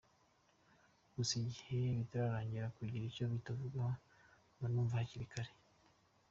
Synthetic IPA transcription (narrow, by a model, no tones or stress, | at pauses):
ɡusiɟiheβitaɾaɾaːɲɟiɾakwiɟiɾicoβitavuɡwa | manuːɱvahaciɾikaɾe